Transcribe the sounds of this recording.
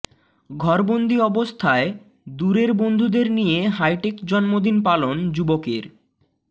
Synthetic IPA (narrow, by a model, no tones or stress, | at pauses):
ɡʱɔɾbond̪ʱiɔbost̪ʰae | d̪uɾeɾbond̪ʱud̪eɾnijeɦajʈekd͡ʑɔnmod̪inpalond͡ʑubokeɾ